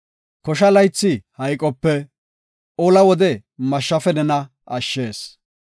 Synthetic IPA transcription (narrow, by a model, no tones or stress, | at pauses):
kɔʃ̬ɐlɐjt͡sːɪhɐjkʼːɔpːɛ | ʔolɐwɔd̪ɛ | mɐʃːɐfɛnɛnɐ | ɐʃːe̞ːs